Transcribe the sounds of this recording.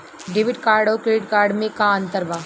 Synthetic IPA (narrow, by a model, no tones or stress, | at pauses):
ɖeːʋɪɖkaːɾɖoːkɾeːɖkaːɾɖmẽkaə̃nt̪əɾʋaː